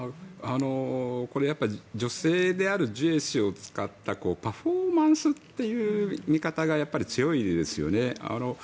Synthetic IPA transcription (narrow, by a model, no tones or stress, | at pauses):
aano̞ko̞ɾe̞japːaid͡ʑo̞se̞ːd̪e̞aɾɯ̟ʑɨeɕio̞t͡sɨ̥kat̪ːako̞ːpaɸo̞ːmãɰ̃sɨt̪ːe̞jɯ̟ːmʲikat̪aɡajapːaɾʲit͡sɨjo̞id̪e̞sɨjo̞̰ne̞a̰no̞